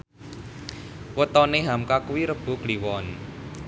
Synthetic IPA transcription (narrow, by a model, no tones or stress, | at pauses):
wət̪ɔneɦamkakwiɾəb̥ṳkliwɔn